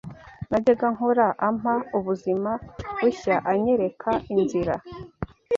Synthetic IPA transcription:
naɟeɡaŋoɾaʔam̥auβuzimawuçaʔaɲe̞ɾe̞kʰainziɾa

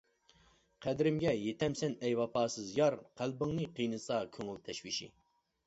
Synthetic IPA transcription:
qʰæd̪ɾɪmɡʲɛjet̪ʰɛmsɛnɛjwɑpɑːsɨzjɑɾqʰælbɨŋnɨqʰijnɨsɑkʲʰøŋɪlt̪ʰɛʃwiʃḭ

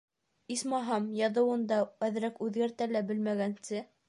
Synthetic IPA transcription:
ismɑɦɑmjɑðɤ̆wɤ̆nd̪ɑæðɾækʉðɡæɾt̪ælæbɘlmæɡænsɘ

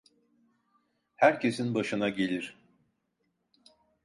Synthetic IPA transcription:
hæɾcʰe̞sinbaʃɯnaɟe̞lʲiɾ̥

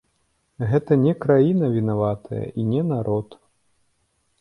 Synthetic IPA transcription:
ɣɛt̪ɐnʲɛkɾajinɐvʲinavat̪ʰɐjɐ̰ʔinʲɛnaɾʔɔt̪

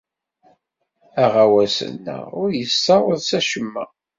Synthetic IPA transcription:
æʁawæsə̰nːə̰ʊɾjəsːɑwˤəðsæʃəmːæ̰

